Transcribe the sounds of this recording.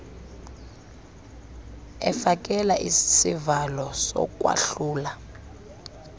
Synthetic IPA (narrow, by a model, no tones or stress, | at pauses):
ɛfak̬ʼɛlaʔissivalɔsɔ̰k̬ʼwa̰ɬuːla